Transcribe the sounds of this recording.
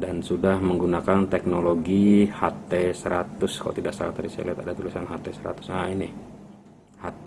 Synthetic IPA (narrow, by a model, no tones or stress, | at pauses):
dansudahməŋɡunakant̪ɛk̚noloɡihat̪ɛsəɾat̪ʊskalo̰t̪idaʔsa̰t̪aɾisɛ̰lɛt̪adat̪ulisanɦat̪ɛsəɾa̰t̪ʊ̥saini | hat̪